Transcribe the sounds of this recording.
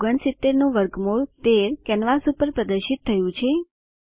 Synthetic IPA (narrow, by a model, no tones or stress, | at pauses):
ɡəɳsɪt̪ːeɾnũʋəɾɡmoɭt̪eɾkɛnʋasupəɾpɾəd̪əɾʃit̪ʰːəjũt͡ʃʰe